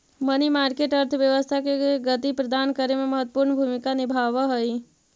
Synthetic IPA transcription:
mənimaːɾkeʈəɾt̪ʰəʋjəʋəst̪ʰakeɡət̪ipɾəd̪aːnkəɾemẽməɦət̪ːəpuːɾnbʱumɪkanɪbʱaːʋəɦəi

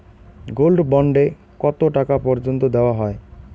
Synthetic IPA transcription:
ɡolɖbɔɳɖe | kɔt̪oʈakapɔɾd͡ʑont̪od̪eoaɦɔe

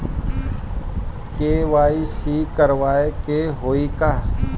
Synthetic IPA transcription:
keːʋaːisikəɾʋaːekeɦoːikaː

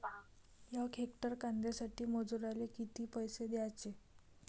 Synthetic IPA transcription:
jakʰekʈəɾkand̪esaʈiːməd͡zuɾalekit̪iːpəjsed̪jat͡ɕe

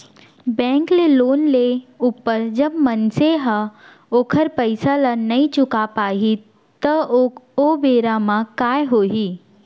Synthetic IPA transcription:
bɛ̃ːkleloːnleuːpːəɾd͡ʒɐbmɐnseɦa | oːkʰəɾpɐɪsalanɐĩt͡ʃʊkapaːɦi | t̪əobeːɾamãkaːjɦoːɦiː

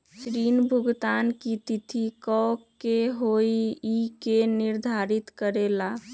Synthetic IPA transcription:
sɾinbʱuɡt̪ankit̪it̪ʰikɔkeɦojiikeniɾd̪ʱaɾit̪kəɾela

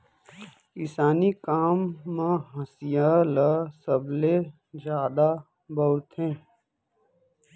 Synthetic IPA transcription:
ɪsaːnikaːmːãɦəsijalasəble | d͡ʒjaːd̪a | bəɾt̪ʰɦẽː

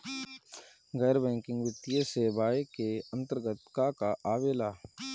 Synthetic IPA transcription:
ɡɛːɾbɛ̃ːŋkɪ̃ŋɡʋɪt̪ːijeseːbaːjekeə̃nt̪əɾɡət̪kakaʔaːʋeːlaː

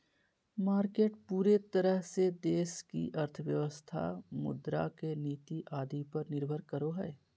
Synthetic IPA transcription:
maːɾkeːʈpuːɾet̪əɾəɦsed̪eːskḭʔɐɾt̪ʰəʋjəʋəst̪ʰa̰mʊ̰d̪ɾa̰keniːt̪iʔaːd̪ipɐɾnɪɾbʱəɾkəɾoɦɛː

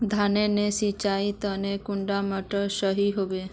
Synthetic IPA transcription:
d̪ʱaːnenesit͡ʃait̪ənekʊ̃ɳɖaməʈəsəɦiɦobe

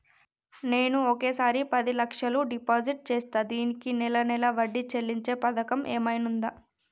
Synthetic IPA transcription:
ne̞ːnuoke̞ːsaːɾipɐd̪ilɐkʂɐluɖipaːd͡ʒiʈ̚t͡ʃeːst̪aːd̪iːnikinɛlɐnɛlɐʋɐɖːit͡ʃe̞lːiɲt͡ʃe̞ːpɐd̪ɐkɐmʔeːmɐjnund̪aː

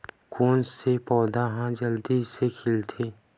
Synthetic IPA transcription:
koːnsepɔːd̪aɦãd͡ʒɐld̪izsekʰɪlt̪ʰeː

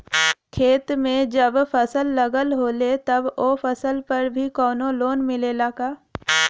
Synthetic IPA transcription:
kʰeːt̪mẽd͡ʒəbfɐsəlːɐɡəlɦoːlet̪ɐboːfəsəlpɐɾbʱikɔːnõloːnmɪlelaɡaː

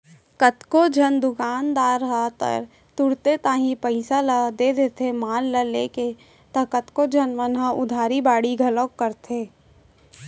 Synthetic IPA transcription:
kət̪kod͡ʒʱənd̪ʊkaːnd̪aːɾɦat̪ə̰ɾ | t̪ʊɽt̪et̪aːɦĩpəɪsaləd̪eːd̪eːt̪ʰemaːlːəleːke | t̪ɐkət̪kod͡ʒʱənmənɦaʔʊ̰d̪ʱaːɾibaːɽiɡʱɐləkːəɾt̪ʰeː

